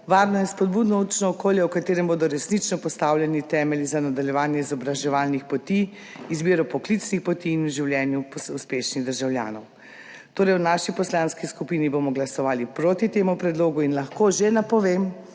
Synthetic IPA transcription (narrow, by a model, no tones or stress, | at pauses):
ʋaːɾnɔjɛspɔd̪̚buːd̪nɔut͡ʃnɔɔkoːljɛwkat̪eːɾɛmboːd̪ɔɾɛsnit͡ʃnɔpɔst̪awljɛnit̪ɛːmɛlizanad̪aljɛʋaːnjɛizɔbɾaʒɛʋaːlnixpɔt̪i | izbiːɾɔpɔklit̪snixpɔt̪iːnuʒiwljɛnjupsuspeʃniɣd̪əɾʒawlja̰ːnɔw | t̪oːɾɛjwnaʃipɔslanskiskupinibomɔɡlasɔʋaːlipɾoːt̪it̪eːmupɾɛd̪loːɡuinlɐxkoʒenapɔʋem